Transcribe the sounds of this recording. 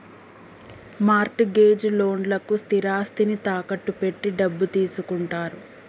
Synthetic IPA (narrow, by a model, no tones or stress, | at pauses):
maːɾʈɡe̞ːd͡ʒlo̞ːɳɖlɐkust̪iɾaːst̪init̪aːkɐʈːupe̞ʈːiɖɐbːut̪iːsukuɳʈaːɾu